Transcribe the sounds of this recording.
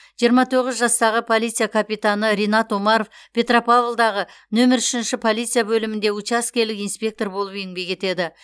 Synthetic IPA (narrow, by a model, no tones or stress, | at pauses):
ʒ̥ijəɾmɑt̪ʰo̞ʁɪzʒɑst̪ɑʁəpʰo̞lˠit̪sɨjakʰapijt̪anəɾʲenɑt̪omɑɾo̞fpʲʰe̞t̪ropavlˠd̪ɑʁə | nɵmɪɾʏʃɪnʃɪpʰo̞lˠijt̪sɨjabɵlɪmɪnd̪e̞ut͡ʃaskʲe̞lɪkijnspʲe̞k̚t̪o̞rbolˠəpeŋbʲe̞jkʲʰe̞t̪e̞d̪ɪ